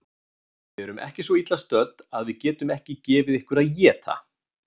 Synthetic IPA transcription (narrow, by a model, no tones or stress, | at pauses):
vɪɛɾʏmʔɛ̰hcɪsvɔit̪last̪œt̪̚aðvɪðcɛːt̪ʏmɛhcɪcɛːvɪðehkvʏɾaðjɛːt̪ʰa̰